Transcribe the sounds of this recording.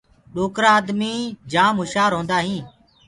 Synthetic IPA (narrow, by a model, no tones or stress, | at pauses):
ɗoːkɾaːəd̪miːd͡ʒaːmɦʊʃaːɾɦõːnd̪aːɦĩː